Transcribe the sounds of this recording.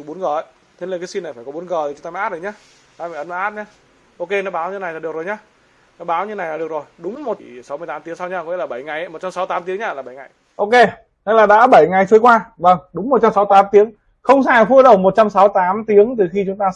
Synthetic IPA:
ɓu˨˦nɣəː˨˩ə˨˧˦ | t̪ʰe˧˦ləː˨˩kːaː˨˦si˧na˨˩jfaː˧˩kɔ˦ɓu˨˦nɣəː˨˩i˨˩t͡ɕʊ˦ŋ͡m̪aː˧ma˧ʔaː˦˥zo˨˩ɲaː˨˦ | ɗa˨˧˩faː˧˩ʔə˨˦ma˨˧˦ʔaː˦˥t̚ɲaː˧˦ | ʔo˧ke˧nɔ˨˦ɓaː˨˦wɲɨ˧na˨˩jna˨˩ɗək̚zo˨˩ɲaː˨˦ | nɔ˨˦ɓaː˨˦wɲɨ˧na˨˩jnaː˨˩ɗək̚zo˨˩jɗʊ˨˦ŋ͡mmo˨˩t̚i˨˩sa˨˦wmɨ˧ət̪aː˨˦mt̪i˨˦əŋsa˧wɲa˧kɔ˧˦mi˧˥laː˨˩ɓa˧˩jŋa˨˩jmo˨˩t̚t͡ɕa˧msa˨˦wt̪aː˨˦mt̪i˨˦əŋɲaː˨˧˩laː˨˩ɓa˧˩jŋa˨˩j | ʔo˧ke˧ | na̰˧˥laː˨˩ɗa̰ː˧˥ɓə˧˩jŋa˨˩jt͡ɕu˨˦jkwaː˧və˧˩ŋɗʊ˨˦ŋ͡mmo˨˩t̚t͡ɕa˧msa˨˦wt̪aː˨˦mt̪i˨˦əŋ | xə˧wŋ͡msaː˨˩fu˧əɗə˨˩wmo˨˩t̚t͡ɕa˧msa˨˦wt̪aː˨˦mt̪i˨˦əŋt̪ɨ˨˩xi˧t͡ɕʊ˨˦ŋ͡mt̪aː˧

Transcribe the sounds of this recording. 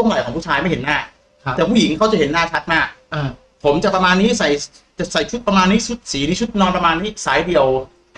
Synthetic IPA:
u˥˩ə˨ŋla˨˩kʰɔː˩˦pʰuː˥˩aː˧˥jma˥˩jhe˩˦nːaː˥˩ | t̪ɛː˨˩pʰuː˥˩ji˩˦ŋkʰa˥˩wt͡ɕa˨˩he˩˦nːaː˥˩t͡ɕʰa˦˥t̪̚maː˥˩k̚ː | pʰo˩˦mt͡ɕa˨˩k̚pɾa˧maː˧nːiː˦˥sa˨˩j | t͡ɕa˨˩sa˨˩jt͡ɕʰu˦˥t̪̚pɾa˧maː˧nːiː˦˥t͡ɕʰu˦˥t̪̚siː˩˦niː˦˥t͡ɕʰu˦˥t̪̚nɔː˧npɾa˧maː˧nːiː˦˥saː˩˦jdi˨˩əw

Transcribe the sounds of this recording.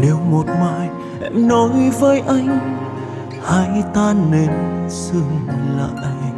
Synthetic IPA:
ɗe˨˩wmo˨˩t̚maː˧˨j | nɔ˨˦jvəː˨˦jʔa˧jŋ̟ | ha˧˦jt̪aː˧ne˧nsɨ˧əŋla̰ː˧˨ʔ

